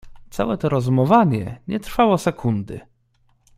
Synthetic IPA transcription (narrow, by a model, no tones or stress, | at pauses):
t̪sa̰wɛt̪ɔɾɔzmɔvaɲɛ̰ɲɛt̪ɾfawɔsɛkʰund̪ɘ̰